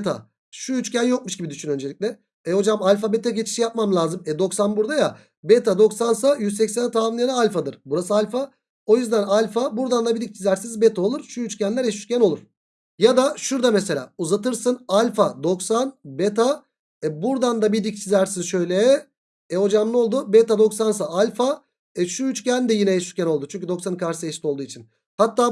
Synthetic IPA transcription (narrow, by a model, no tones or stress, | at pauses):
t̪ʰa̰ | ʃuyt͡ʃcænjo̞k̚muʃɟibid̪yʃynø̞nd͡ʒelʲic̚ʲlʲɛ | ɛho̞d͡ʒamalʲf̬abet̪ʰaɟet͡ʃʰi̥ʃijap̚mamlʲˠaːzɯmɛd̪o̞ksanbuɾd̪aja | bet̪ʰad̪o̞ksans̬ajyzsɛcsænɛt̪ʰaːminijanaalʲfad̪ɯɾ̥buɾas̬ɯalʲfa | o̞jyzd̪ænalʲfabuɾd̪and̪abid̪ic̚t͡ʃʰizʲæɾsinzbɛt̪ʰao̞lˠuɾʃuyt͡ʃcʰænlʲæɾɛʃy̥t͡ʃcʰʲæno̞lˠuɾ̥ | jad̪aʃuɾd̪amese̞lʲa̰ːuzat̪ɯɾsɯnalʲfad̪o̞ksanbet̪ʰa | buɾd̪and̪abid̪ic̚t͡ʃʰizæɾsinzʃø̞jlʲɛ | ɛho̞d͡ʒamlˠo̞lˠd̪ubet̪ad̪o̞ksans̬aalʲfa | ɛʃuyt͡ʃcænd̪ɛjinɛɛʃy̥cʰʲæno̞lˠd̪ut͡ʃʰyɲʲcʰyd̪o̞ksanɯkʰaɾʃsɯɛʃt̪olˠd̪uːit͡ʃʰin | hat̪ːaː